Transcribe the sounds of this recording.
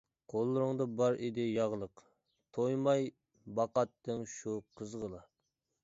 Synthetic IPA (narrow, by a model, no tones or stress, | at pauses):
qʰolˠːɨɾɨŋd̪ɑbɑɾɪd̪ɪjɑʁlˠəq | t̪ʰojmɑj | bɑqɑt̪ːɪŋʃuqʰəzʁəlˠɑ